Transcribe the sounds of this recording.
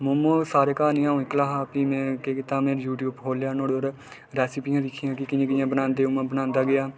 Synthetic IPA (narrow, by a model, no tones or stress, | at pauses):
mʊmuːsaːɾeːkaːnĩːãːũːɪklaːɦaːpiːmɛ̃ːkeːkɪt̪ãːmẽːɾjuːʈjuːbɦoːljaːnoːɽeoːɾ | ɾɛːsɪpiːãːd̪ɪkʰijãːkɪkɪãːkɪjãːbənãːnd̪eːʊmãːbənãːnd̪aːɡɪjaː